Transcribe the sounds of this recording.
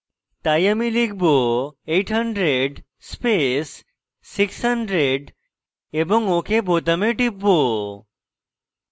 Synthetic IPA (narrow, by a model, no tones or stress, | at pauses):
t̪ajamilik̚ʰboejʈʰɦaɳɖɾeɖ | spesː | ikshaɳɖɾeɖ | eboŋokebot̪ameʈipːo